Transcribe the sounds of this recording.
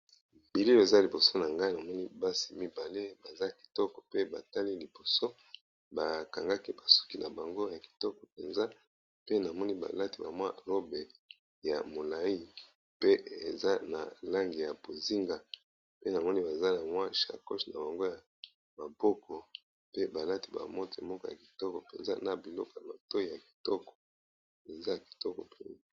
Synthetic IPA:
bi˨li˦o˨e˨za˦li˨bo˨so˦na˨ŋɡa˦na˨mɔ˦ni˦ba˦si˨mi˦ba˨le˦ba˨za˦ki̥˨tɔ˦kɔ̥˨pe˦ba̰˨ta˦li˦li˨bo˨so˦ | ba˨ka˨ŋɡa˦ki˦ba˨su̥˦ki˨na̰˨ba˨ŋɡo˦ja˨ki̥˨tɔ˦kɔ̥˨pe˨nza˦ | pe˦na˨mɔ˦ni˦ba̰˨la˦ti˨ba˨mwa˦lo˦be˨ | ja̰˨mo˨la˨˦i˦ | pe˦e˨za˦na̰˨la˦ŋɡi˨ja˨bo˨zi˦ŋɡa˨ | pe˦na˨mɔ˦ni˦ba˨za˦na˨mwa˦ʃa̰˨ko˦ʃi˨na˨ba˨ŋɡo˦ja˨ | ma˨b̥ɔ˦kʰɔ˨ | pe˦ba˨la˦ti˨ba̰˨mɔ˦tʰe˨mɔ˦kɔ˦˨ja˨ki̥˨tɔ˦kɔ˨pe˨nza̰˦na˨bi˨lo˦ka˨ma˨to˦i˨ja˨ki̥˨tɔ˦kɔ̥˨ | e˨za˦ja˨ki̥˨tɔ˦kɔ̰˨pe˨nza˦

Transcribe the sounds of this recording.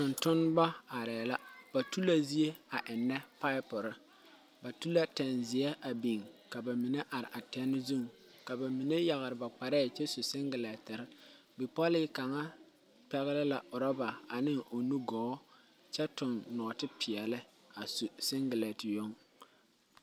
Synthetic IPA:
tʊ˨ntʊ˦n˦ba˦a˨ɾɛː˨la˦ba˨tu˦la˦zi˦e˦a˨ʔɪ˨nːɛ˦pa˦ɪ˦pʊ˨ɾɪ˦ | ba˨tu˦la˦tɛ˨nzɪ˨ɛ˦ʔa˨bi˨ŋka˨ba˨mi˨ne˦ʔa˨ɾɪ̰˨ʔa˨tɛ˦nɪ˦zu˦ŋ | ka˨ba˨mi˨ne˦ja˨ɣɪ˨ɾɪ˨ba˨k͡pa˨ɾɛː˦˨t͡ʃɛ˦su˨sɪ˦ŋɡɪ˨lɛ˨tɪ˨ɾɪ˦ | bɪ˨pɔ˦lɪ˦ka˨ŋa˦ | pɛ˦ɣɪ˦lɪ˦la˨ʔʊ˨ɾɔ˦ba˨a˨nɪ˦ŋo˨nu˦ɡɔː˨˦ | t͡ʃɛ˦tʊ˨nːɔ˨tɪ˦pʰɪ˨ɛ˨lɪ˦ | a˨su˨sɪ˦ŋɡɪ˨lɛ˨tɪ˨jo˦ŋ

